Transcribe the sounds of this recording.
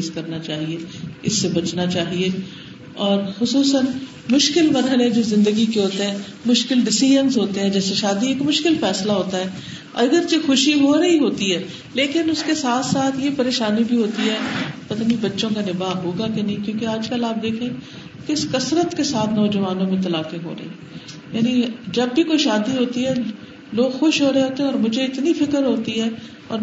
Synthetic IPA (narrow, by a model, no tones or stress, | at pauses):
zkɐɾnat͡ʃaːɦieɪsːebɐt͡ʃnat͡ʃaːɦie | ɔːɾxʊsuːsən | mʊʃkɪlmɐɾɦəled͡ʒoːzɪ̃nd̪əɡikeɦoːt̪eɦɛ̃ː | mʊʃkɪlɖɪsiːd͡ʒənzɦoːt̪eɦɛ̃d͡ʒɛːseʃaːd̪ieːkmʊʃkɪlfɛːslaɦoːt̪aɦɛː | ɐɐɡəɾt͡ʃexʊʃiɦoɾɐɦiɦoːt̪iɦɛː | leːkɪnʊskesaːt̪ʰsaːt̪ʰjepɐɾeːʃaːnibʱiɦoːt̪iɦɛːpɐt̪anibɐtːʃõkanɪbaːɦoːɡakenɐɦĩkjõːkeaːd͡ʒkɐlaːp̚d̪eːkʰẽ | keɪskɐsɾət̪kesaːt̪ʰnɔːd͡ʒəʋaːnõmẽt̪ɐlaːkeɦo̰ːɾɐ̰ẽ | jaːnid͡ʒɐbːʱikoiʃaːd̪iɦoːt̪iɦɛː | loːɡxʊʃɦoːɾəeɦoːt̪eɦɛ̃ɔːɾmʊd͡ʒʱeɪt̪nifɪkəɾɦoːt̪iɦɛː | ɔ̰ːɾ